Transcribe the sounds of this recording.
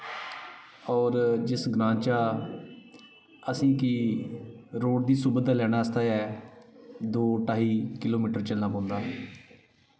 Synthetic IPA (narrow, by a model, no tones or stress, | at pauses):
ɔːɾd͡ʒɪsɡɾãːɲt͡ʃaː | əsĩːkɪ | ɾoːʈ̚d̪iːsuːbəaːlɛːɽ̃aːəst̪aːɛː | d̪oːʈaːɦiːkɪloːmiːʈəɾt͡ʃəlnaːpɔ̃ːnd̪aː